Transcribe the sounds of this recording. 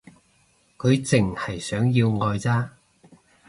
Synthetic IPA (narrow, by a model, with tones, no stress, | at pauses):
kʰɵ˨˧ɥt͡sɪ˨˩ŋhɐ˨˩jsœː˨˥ŋjiː˧wŋɔː˧jt͡saː˥